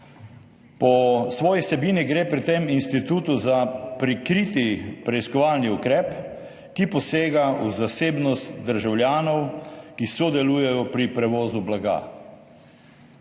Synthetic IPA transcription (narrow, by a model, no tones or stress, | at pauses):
pɔsʋɔːjisɛbiːniɡɾeːpɾit̪eminst̪it̪uːt̪uzapɾikɾit̪ipɾɛiskɔʋaːlniukɾɛːp | kipɔseːɡauzaseːbnɔst̪d̪əɾʒawlʲjaːnɔwkisɔd̪ɛluːjɛjɔpɾipɾɛʋɔːzublaɡa̰